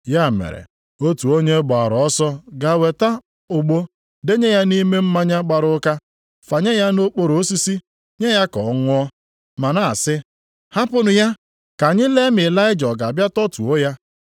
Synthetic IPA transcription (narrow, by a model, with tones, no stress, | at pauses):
ja˦˨mḛ˨ɾḛ˨ | o˦tu˨o˦ɲe˦ɡ͡ba˨a˨ɾɔ˦sɔ˦ɡa˨we˨ta˦ | ʊ˨ɡ͡bo˦ | de˦ɲe˦ja˦ni˦me˦m̩˦ma˦ɲa˦ɡ͡ba˨ɾʊ˦ka˦ | fa˨ɲe˦ja˦no˦k͡po˦ɾo˨˦si˦si˦ | ɲe˦ja˦kɔ˨˦ŋʷʊ˦ɔ˦ | ma˨na˦a̰˨sɪ˦ | ha˦pʊ˦nʊ˨ja˦ | ka˨ɲɪ˦le˦mɪ˨la˦ɪ˦d͡ʒɔ˨ɡa˨bja˦tɔ˦tu˨o˦ja˦